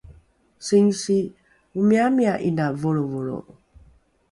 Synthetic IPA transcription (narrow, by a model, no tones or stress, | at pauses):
siŋsi | umiamiaʔinavoɾovoɾo̰